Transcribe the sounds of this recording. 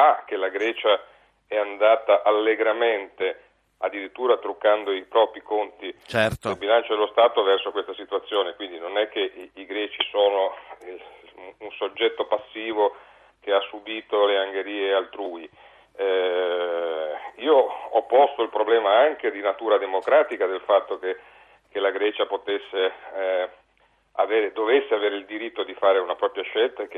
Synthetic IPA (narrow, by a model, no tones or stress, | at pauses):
ak̟elaɡɾɛːt͡ʃa | ɛand̪aːt̪aʔalːeɡɾament̪e | ad̪ːiɾit̪ːuːɾat̪ɾukːand̪oipɾɔːpɾikont̪it͡ʃɛt̪elbilant͡ʃod̪elːost̪aːt̪ovɛrsokwest̪asit̪uat̪sːjoːnekwind̪inonɛk̟ːeːɡɾɛːt͡ʃisoːno | unsod͡ʒːɛt̪ːopasːiːvo | keasːubiːt̪oleaŋɡeɾiːealt̪ɾuːi | iːoɔpːɔst̪oilpɾoblɛːmaaŋked̪inat̪uːɾad̪emokɾaːt̪ikad̪elfat̪ːoke | kelaɡɾɛːt͡ʃapot̪esːe | a̰veːɾed̪ovesːeaveːɾeild̪iɾit̪ːod̪ifaːɾeunapɾɔːpɾjaʃɛlt̪ak